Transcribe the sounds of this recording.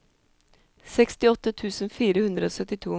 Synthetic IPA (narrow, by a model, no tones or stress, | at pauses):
sɛkst̪ɪɔt̪ːət̪ʰʉːsənfiːɾəhʉnd̪ɾəoːsœt̪ːɪt̪ʰuː